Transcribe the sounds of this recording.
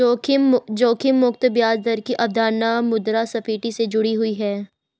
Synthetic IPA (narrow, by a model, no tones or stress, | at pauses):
oːd͡ʒoːkʰɪmːʊkt̪bjaːzd̪əɾkiʔɐb̚d̪aːnamʊd̪ɾasɐfiːʈised͡ʒʊɽiɦʊiɦɛː